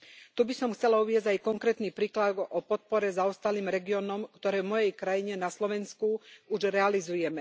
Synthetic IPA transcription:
t̪ubisɔmxt͡sɛlauʋɪɛzɟajkɔŋkɾɛːt̪niːpɾiːklad̪ɔpɔt̪̚pɔɾɛzaɔst̪aliːmɾɛɡiɔːnɔmkt̪ɔɾɛːvmɔjɛjkɾajiɲɛnaslɔʋɛnskuuʒɾɛalizujɛmɛ

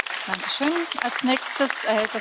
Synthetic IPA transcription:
d̥aŋkə̥ʃøːna̰lsnɛːkstəsʔɛd̥a

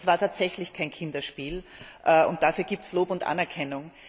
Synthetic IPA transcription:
svaːɐtʰaːtz̥ɛçlɪçkʰaɪnkʰɪndɐʃpiːlʔɛʔʊ̰nt̚d̥afyːɐɡ̥iːp̚tsloːpʊntʔa̰nɛɐkʰɛnʊŋ

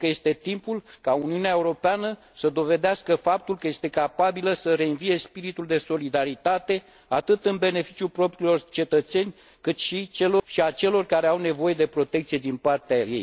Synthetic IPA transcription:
kəje̞st̪e̞t̪impulkauniuneaeuɾo̞peanə | səd̪o̞ve̞d̪easkəfap̚t̪ulkəje̞st̪e̞kapabiləsəɾe̞ɨnvije̞spiɾit̪uld̪e̞so̞lid̪aɾit̪at̪e̞ | at̪ɨt̪ɨnbe̞ne̞fi̥t͡ʃiulpɾo̞pɾilo̞rt͡ʃe̞t̪ət̪se̞nʲ | kɨt̪ʃit͡ʃe̞loʃiat͡ʃe̞lo̞rkaɾe̞awne̞vo̞je̞d̪e̞pɾo̞t̪ekt̪sije̞d̪inpart̪eaje̞̰j

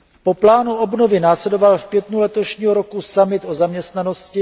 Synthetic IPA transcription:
po̞plaːnuobnovɪnaːslɛdo̞valfpjɛt̪nulɛt̪o̞ʃɲiːɦoɾo̞kusamɪt̪ozamɲɛst̪nano̞scɪ

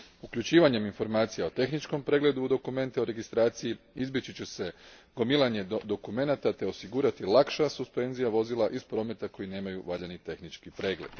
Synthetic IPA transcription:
ukʎut͡ɕiːʋaɲe̞minfo̞ɾmaːt̪sijao̞t̪e̞xnit͡ʃko̞mpɾe̞ːɡle̞d̪uud̪o̞kume̞nt̪eoɾe̞ɡist̪ɾaːt̪sijiizbjet͡ɕit͡ɕese̞ɡ̥o̞milˠaɲe̞d̪o̞kume̞nat̪at̪e̞o̞siɡuɾat̪ilakʃasuspe̞nzijaʋo̞zilˠaʔispɾo̞ːme̞t̪ako̞jine̞ːmajuʋaʎanit̪e̞xnit͡ʃkipɾe̞ːɡle̞̰d̪̥

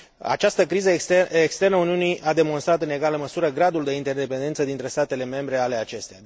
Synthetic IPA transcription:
a̰t͡ʃast̪əkɾizəeekst̪e̞rnəuniuniʔad̪e̞mo̞nst̪ɾat̪ɨne̞ɡaləməsuɾəɡɾad̪uld̪e̞int̪erd̪e̞pe̞nd̪e̞nt̪səd̪int̪ɾe̞st̪at̪e̞le̞me̞mbɾe̞ale̞at͡ʃe̞st̪eja

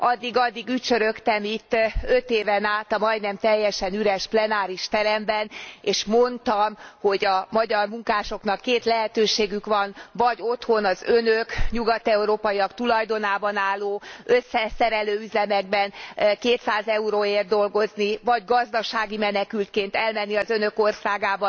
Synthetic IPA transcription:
ɒd̪ːiɡɒd̪ːiɡyct͡ʃøɾøkt̪ɛmit̪ːø̞t̪eːvɛnaːt̪ɒmɒjd̪nɛmt̪ɛjːɛʃɛnyɾɛʃplɛnaːɾiʃt̪ɛɾɛmbɛneːʃmo̞nt̪ɒmho̞ɟɒmɒɟɒrmuŋkaːʃo̞knɒkːeːt̪lɛɦɛt̪øːʃeːɡykʋɒnvɒɟo̞t̪ho̞nɒzønøkɲuɡɒt̪ɛuɾoːpɒjiɒkt̪ulɒjd̪o̞naːbɒnaːlːoːø̞sːɛsɛɾɛløːyzɛmɛɡ̚bɛnkeːt̪saːzɛuɾoːeːrd̪o̞lɡo̞znivɒɟɡɒzd̪ɒʃaːɡimɛnɛkylt̪̚keːnt̪ɛlmɛnːiɒzønø̞ko̞rsaːɡaːbɒ

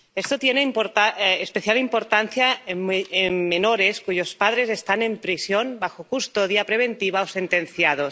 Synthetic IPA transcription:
est̪ot̪jenempɾt̪aespeθjalimpoɾt̪anθjaeemːenoɾeskuʝospað̞ɾezest̪ane̞mpɾisjonbaxokust̪oðjapɾeβ̞ent̪iβaosent̪enθjaðos

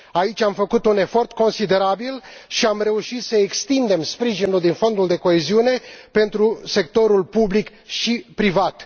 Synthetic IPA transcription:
ait͡ʃʲamfəkut̪une̞fo̞rt̪ko̞nsid̪e̞ɾabilʃiamre̞uʃit̪səekst̪ind̪e̞mspɾiʒinuld̪info̞nd̪uld̪e̞ko̞eziune̞pe̞nt̪ɾuse̞kt̪o̞ɾulpublik | ʃipɾivat̪

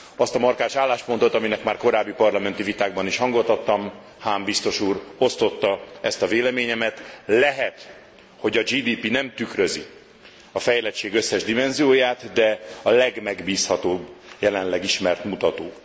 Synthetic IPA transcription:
ɒst̪ɒmɒrkaːʃaːlːaːʃpo̞nt̪o̞t̪ɒminɛkmaːrko̞ɾaːbːipɒrlɒmɛnt̪ivit̪aːɡbɒniʃhɒŋɡot̪ɒt̪ːɒm | haːmbist̪o̞ʃuːro̞st̪o̞t̪ːɒɛst̪ɒveːlɛmeːɲɛmɛt̪lɛɦɛt̪ | ho̞ɟɒd͡ʒiːd̪iːpinɛmt̪ykrø̞zi | ɒfɛjlɛt͡ʃːeːɡø̞sːɛʒd̪imɛnzijoːjaːt̪d̪ɛɒlɛɡmɛɡbiːshɒt̪oːbːjɛlɛnlɛɡiʃmɛrt̪mut̪ɒt̪oː

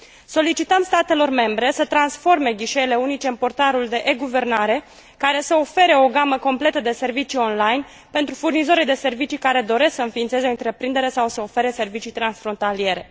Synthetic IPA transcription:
so̞lit͡ʃit̪əmst̪at̪e̞lo̞rme̞mbɾe̞sət̪ɾansfo̞rme̞ɡʲiʃe̞ile̞unit͡ʃe̞ɨnmpo̞rt̪aɾuld̪e̞ʔeɡuve̞rnaɾe̞ | kaɾe̞səo̞fe̞ɾe̞o̞ɡaməko̞mple̞t̪əd̪e̞se̞rvit͡ʃio̞nlajn | pe̞nt̪ɾufurnizo̞ɾid̪e̞se̞rvit͡ʃikaɾe̞d̪o̞ɾe̞sksəɨnfiːnt̪se̞zeo̞ɨnt̪ɾe̞pɾind̪e̞ɾe̞sawsəofe̞ɾe̞se̞rvit͡ʃit̪ɾansfɾo̞nt̪alie̞ɾe̞

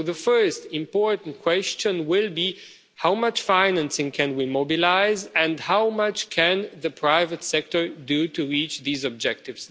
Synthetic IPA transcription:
ðəfɜ˞stɪ̃mpɔɹʔn̩tkʰw̥ɛst͡ʃə̃nwɪlˠbi | haʊmʌt͡ʃfãɪnæ̃nsɪ̃ŋkʰɨ̃nwimobilaɪzɨ̃ndhaʊmʌt͡ʃkʰɨ̃nðɨpʰɹ̥aɪvətsɛk̚tə˞dutɨɹit͡ʃðiːzɔb̚d͡ʒɛk̚tɪvz̥

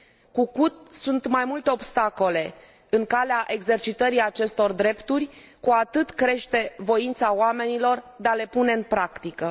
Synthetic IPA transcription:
kukut̪̚sunt̪majmult̪e̞o̞bst̪ako̞le̞ | ɨŋkaleaʔe̞ɡze̞rt͡ʃit̪əɾiat͡ʃe̞st̪o̞rd̪ɾe̞pt̪urʲ | kuat̪ɨt̪kɾe̞ʃt̪e̞vo̞int̪saoame̞nilo̞rd̪eale̞pune̞ɨnpɾakt̪ikə

